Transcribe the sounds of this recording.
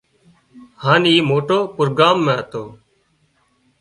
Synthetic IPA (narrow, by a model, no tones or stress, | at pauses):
haːniːmoːʈoːpʊɾɡaːmːɛ̃ːət̪oː